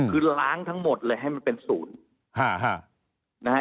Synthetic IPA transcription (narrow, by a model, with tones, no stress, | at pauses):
kʰɯː˧laː˦˥ŋt̪ʰa˦˥ŋmo˨˩t̪̚lɤː˧jɦa˥˩jma˧npe˧nsuː˩˦n | ha˥˩ɦa˥˩ | na˦˥ha˥